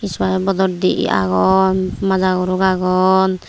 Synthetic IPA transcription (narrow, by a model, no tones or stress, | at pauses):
iswaɛbɔd̪ɔd̪iʔḭa̰ɡɔnmad͡ʒaɡuɾukaɡɔn